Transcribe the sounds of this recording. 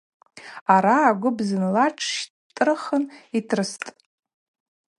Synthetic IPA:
aɾaːɡʷʊbzɨnlaʈ͡ʂʰʃtʼrɨχənitʰrɨstʼ

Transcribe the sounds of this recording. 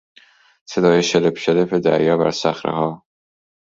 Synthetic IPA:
se̞d̪ɒːjeʃelepʃelefed̪æ̰ɾjɒːbæ̰ɾsæxɾḛhɒː

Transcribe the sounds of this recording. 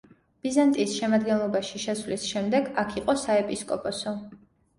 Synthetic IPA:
b̥izant̪ʼisʃɛmad̪ɡɛnlˠɔbaʃiʃɛsvlisʃɛmd̪ɛɡakʰiqʼɔsaɛpʼiskʼɔ̰pʼɔsɔ

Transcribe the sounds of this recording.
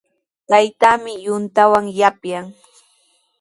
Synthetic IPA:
t̪ajt̪aːmɪjʊnt̪awaŋjapjaŋ

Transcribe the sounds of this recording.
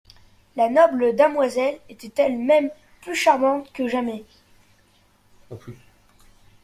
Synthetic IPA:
lanɔbləd̪əmwazɛlet̪ɛt̪ɛlmɛm | plyʃaʁmɑ̃t̪kəʒamɛ

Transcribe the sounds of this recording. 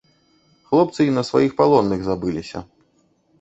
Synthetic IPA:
xlˠɔp̚t̪sɨinɐsva̰jixpalˠɔnːɨɣzabɨlʲisʲɐ̰

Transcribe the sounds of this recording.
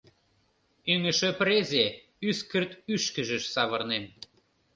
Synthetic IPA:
yŋə̆ʃəpɾezʲe | yskə̆rt̪yʃkə̆ʒə̆ʃsɑβɤ̆rnem

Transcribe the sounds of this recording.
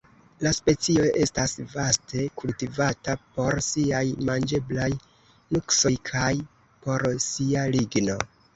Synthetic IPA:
laspe̞t͡sio̞ʔe̞stasvastʰe̞kultivatapo̞ɾsiajmand͡ʒe̞blaj | nukso̞jkʰaj | po̞ɾsialiɡno̞

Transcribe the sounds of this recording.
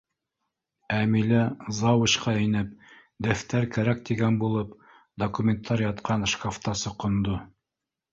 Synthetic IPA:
æmilæzɑwɤ̆ɕqɑinɘp̚ | d̪æft̪æɾkæɾæk̚t̪iɡænbulˠɤp | d̪okumʲent̪ʰːɑɾʲjɑt̪qɑnʃkaft̪ɑsɤqŏnd̪o

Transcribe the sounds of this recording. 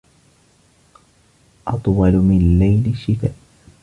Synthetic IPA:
ʔɑt̪ˤwɑlʊmɪnlajlɪʃːɪt̪aːʔ

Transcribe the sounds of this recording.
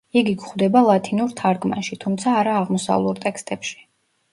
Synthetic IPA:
iɡiɡχwd̪ɛbalˠat̪ʰinuɾt̪ʰaɾɡma̰ʃit̪ʰumt̪sʰaːɾaːʁmɔsa̰vlˠuɾt̪ʼɛkst̪ʼɛpʃi̥

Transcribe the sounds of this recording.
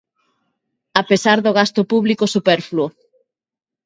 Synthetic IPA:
apesaɾðoɣast̪ʊpuβlikosupɛɾfluo

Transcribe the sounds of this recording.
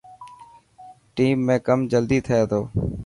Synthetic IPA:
ʈiːmːẽːkəmd͡ʒəld̪iːt̪ʰəeːt̪ʰoː

